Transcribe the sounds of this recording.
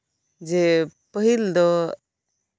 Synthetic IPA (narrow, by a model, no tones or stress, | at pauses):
d͡ʒɛpəɦild̪ɔ